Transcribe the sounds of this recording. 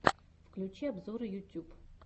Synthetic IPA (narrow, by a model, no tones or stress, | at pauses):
fklʲʉt͡ɕiɐbzoɾɨjʊtʲːup